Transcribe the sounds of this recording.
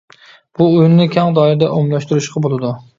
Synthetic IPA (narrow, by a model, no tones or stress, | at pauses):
b̥uujunnɪkʲʰɛŋd̪ɑiɾɪd̪ɛʔomlˠɑʃt̪uɾuʃqʰɑbolˠɨd̪u